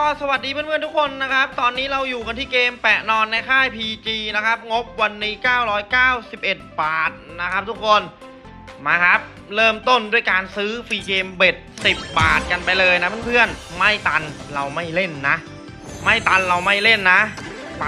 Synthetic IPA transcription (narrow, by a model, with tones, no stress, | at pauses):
kɔː˧˩sa˧wa˨˩t̪̚diː˧pʰɯ˥˩npʰɯ˥˩nt̪ʰu˦˥kʰo˧nːa˦˥kʰa˦˥p̚t̪ɔː˧nːiː˦˥ɾa˧wjuː˨˩ka˧nt̪ʰiː˥˩keː˧mpɛ˨˩ʔnɔː˧nːa˧jkʰaː˥˩jpʰiː˧t͡ɕiː˧na˦˥kʰa˦˥p̚ŋo˦˥p̚wa˧nːiː˦˥kaː˥˩wɾɔː˦˥jkaː˥˩wsi˨˩p̚ʔe˨˩t̪̚baː˨˩t̪̚na˦˥kʰa˦˥p̚t̪ʰu˦˥kʰo˧n | maː˧kʰa˦˥p̚ | ɾɤː˥˩mt̪o˥˩ndu˥˩əjkaː˧nsɯː˦˥fiː˧keː˧mbe˨˩t̪̚si˨˩p̚baː˨˩t̪̚ka˧npa˧jlɤː˧jna˦˥pʰɯ˥˨npʰɯ˥˩ənma˥˩jt̪a˧nɾa˧wma˥˩jle˥˩nːa˦˥ʔ | ma˥˩jt̪a˧nɾa˧wma˥˩jle˥˩nːa˦˥ʔ